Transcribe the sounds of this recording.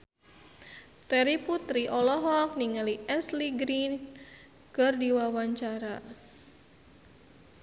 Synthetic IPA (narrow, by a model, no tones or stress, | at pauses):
t̪ɛɾiput̪ɾiʔɔlɔɦɔk̚niŋaliʔɛsliɡɾin | kərdiwawaɲt͡ʃaɾa